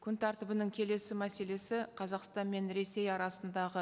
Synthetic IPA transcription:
kʲʰʏnt̪ʰɑɾt̪əbənɪŋkʲʰe̞le̞sɪmæse̞le̞sɪqʰɑzɑqst̪ɑnme̞nɾe̞se̞jɑɾɑsənd̪ɑʁə

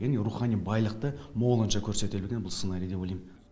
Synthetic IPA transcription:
enɾuχɑnibɑjlˠəq̚t̪əmo̞lˠənʃɑkʲʰɵɾse̞t̪ebe̞ɡʲenbʊlˠsənɑɾijd̪e̞bolˠejm

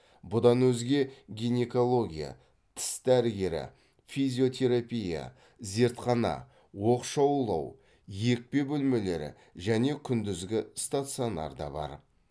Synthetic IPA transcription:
bʊd̪ɑnwɵzɡʲe̞ɡʲijne̞ko̞lˠo̞ɡʲija̰ | t̪ʰɪ̥sd̪æɾɡʲe̞ɾɪ̰ | fizʲio̞t̪ʲʰe̞ɾapʲija̰ | ze̞ɾt̪qɑnɑ̰ | wo̞qʃɑwlˠɑ̰w | je̞k̚pe̞bɵlme̞le̞ɾɪ̰ | ʒæne̞kʲʰʏnd̪ɪzɡʲɪst̪at̪sɨo̞nɑ̰ɾd̪ɑ̰bɑ̰ɾ

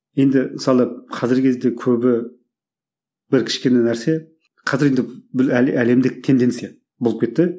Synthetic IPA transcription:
je̞nd̪ɪmɪsɑlˠəqʰɑzɪɾkʲʰe̞zd̪e̞kʲʰɵbɪ | bɪɾkʲʰɪ̥ʃkʲe̞nænæɾse̞ | qʰɑzɪɾe̞nd̪ɪbɪæle̞md̪ɪk̚t̪ʰːe̞nd̪e̞nt̪sija | bolˠəp̚kʲe̞t̪ːɪ

